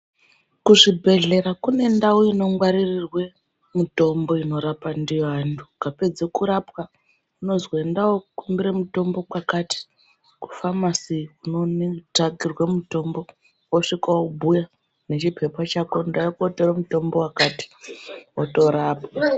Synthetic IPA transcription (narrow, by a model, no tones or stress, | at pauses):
kuʐibʱe̞ɮe̞ɾakune̞ndawoino̞ŋɡwaɾirirwe | muto̞mbo̞ino̞ɾapandijanduɡʱape̞d͡zekuɾapwa | uno̞zwendawokumbiɾemuto̞mbo̞kwakati̥ | ku̥famasiunontaɡirwemuto̞mbo̞ | woʂikaobʱuja | ne̞t͡ʃipʰe̞pat͡ʃakondaokuoteɾomuto̞mbo̞wakati̥oto̞ɾaːpa